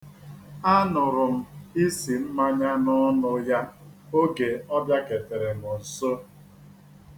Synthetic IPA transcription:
a˦nʊ˨ɾʊ˨m̩˦i˦si˨m̩˦ma˦ɲa˦nʊ˦nʊ˦ja˦o˦ɡe˨ɔ˦bja˦ke˨te˨ɾe˨mʊ˨n̩˨so˦

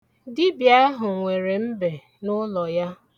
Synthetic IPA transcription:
dɪ˦bja˦ɦʊ˨ŋʷe˨ɾe˨m̩˦be˨ | nʊ˦lɔ˨ja˦

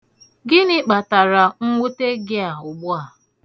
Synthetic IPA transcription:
ɡɪ˦nɪ˦k͡pa˨ta˨ɾa˨ŋ̩˦ŋʷu˦te˦ɡɪ˦a˨ʊ˨ɡ͡bʊ˦a˨

